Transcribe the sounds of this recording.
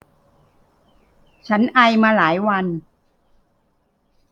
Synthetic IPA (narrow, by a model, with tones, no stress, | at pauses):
t͡ɕʰa˦˥nʔa˧jmaː˧laː˩˦jwa˧n